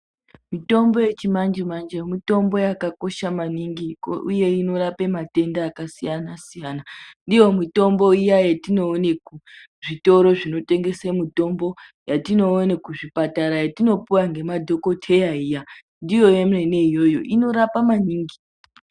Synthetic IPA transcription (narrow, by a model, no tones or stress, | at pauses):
mito̞mbo̞jet͡ʃimand͡ʒemand͡ʒemito̞mbo̞jakako̞ʃamaniŋɡikuje̞ino̞ɾape̞mate̞ndaːkasijanasijanandijo̞mito̞mbo̞ijajetino̞ːne̞ku | ʐito̞ɾo̞ʐino̞te̞ŋɡe̞semito̞mbo̞jatino̞ːne̞kuʐipataɾajatino̞puwaŋɡe̞madʱo̞ko̞tʰe̞jaija | ndijo̞jemrene̞ijo̞jo̞̰ʔino̞ɾapamaniːŋɡi